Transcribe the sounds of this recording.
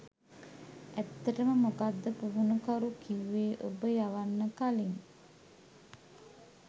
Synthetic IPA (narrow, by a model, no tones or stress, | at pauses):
æt̪ːəʈəməmokad̪ːəpuɦunukaɾukiʋʋeːʔobəjaʋanːəkaliŋ